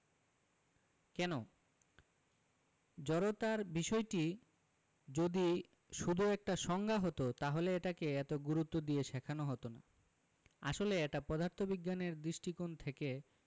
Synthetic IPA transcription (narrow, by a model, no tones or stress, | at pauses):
kɛno | d͡ʑɔɾot̪aɾbiʃɔeʈi | d͡ʑod̪i | ʃud̪ʱuɛk̚ʈaʃɔŋɡʱaɦot̪ot̪aɦoleeʈakeɛt̪oɡuɾut̪ːod̪ieʃɛkʰanoɦɔt̪ona | a̰ʃoleɛʈapɔd̪ʱaɾt̪ʰobiɡːaneɾd̪ɾiʃʈikont̪ʰeke